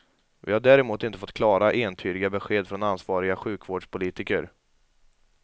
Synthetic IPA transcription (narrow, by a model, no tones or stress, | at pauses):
vɪ̰haɖæːɾɛmuːt̪ɪnt̪əfɔt̪ːkʰlɑːɾaʔeːnt̪ʰyːd̪ɪɡabɛɧeːd̪fɾɔnansvɑːɾɪɡaɧʉ̟ːkvoːɖʂpʰʊliːt̪ɪkəɾ